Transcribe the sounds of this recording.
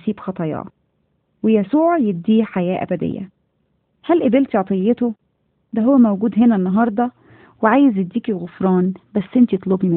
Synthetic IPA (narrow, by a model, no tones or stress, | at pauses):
siːbxɑt̪ˤɑjɑ̰ː | wejæsuːʕjeb̚d̪ːiːħajæːʔæ̰bæd̪ḛjːæ̰ | hælʔebelt̪ʕɑt̪ˤejːet̪o | d̪æɦowːæmæwɡuːd̪ɦenænːɑɦɑɾˤd̪ˤɑ | weʕaːjezet̪d̪iːkiɣofɾˤɑːnbæsːʔent̪it̪ˤlobim